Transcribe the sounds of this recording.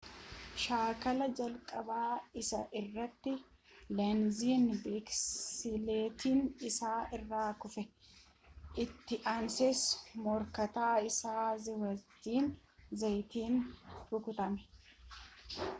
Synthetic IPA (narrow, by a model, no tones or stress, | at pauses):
ʃaːkɐlɐd͡ʒɐlkʼɐbaːɪsɐʔɪrːɐt̪ːɪ | lɐnziːnbeksɪleːt̪iːnɪsaːʔɪrːaːkʊfɛ | ʔɪt̪ːɪʔɐnsɛsmɔɾkɐt̪aːɪsaːzɪwɐt̪ːiːnzɐjt̪iːnhʊkʊt̪ɐmɛ̥